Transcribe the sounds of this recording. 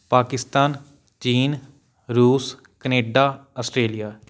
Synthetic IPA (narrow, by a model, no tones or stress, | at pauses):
paːkɪst̪aːn | t͡ʃiːn | ɾuːs | kəneːɖaːəsʈɾeːlijaː